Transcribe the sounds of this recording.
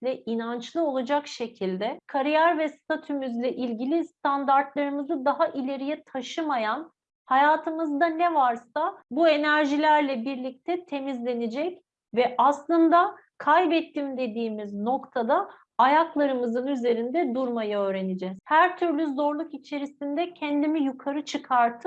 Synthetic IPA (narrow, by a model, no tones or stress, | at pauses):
lʲɛinant͡ʃlˠɯo̞lˠad͡ʒakʃe̞cʰilʲd̪ɛkʰaɾijæɾvɛst̪ʰat̪ʰymyzlʲɛʔilʲɟilʲist̪ʰand̪aɾt̪lˠaɾɯmɯzɯd̪aɦaʔilʲe̞ɾijɛt̪ʰaʃɯmajan | hajaːt̪ʰɯmɯzd̪anɛvaɾsabue̞næɾʒilʲæɾlʲɛbiɾlʲic̚t̪ʰɛt̪ʰe̞mizlʲe̞nid͡ʒɛc | vɛʔaslˠɯnd̪a | kʰajbɛt̪ːimd̪e̞d̪iːmizno̞kt̪ʰad̪a | ajaklˠaɾɯmɯzɯnyze̞ɾind̪ɛd̪uɾmajaø̞ːɾe̞nid͡ʒɛz̥hæɾt̪ʰyɾlʲyzo̞ɾlˠukit͡ʃʰe̞ɾisind̪ɛcʰɛnd̪imijukʰaɾɯt͡ʃʰɯkʰaɾt̪ʰɯ̥